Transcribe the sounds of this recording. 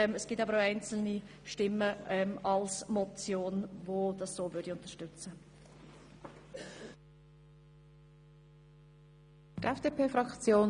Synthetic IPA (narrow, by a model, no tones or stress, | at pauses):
məsɡ̥iːtɑbəɾaʊaɪnt͡sl̩ni | ʃtɪmːəɛmɑlsmɔt͡sjoːnvod̥ɑssoːvʏɾdiʊnt̪əʃtʏt͡sə | tʔɛfd̥epeːfɾɑkt͡sjoːn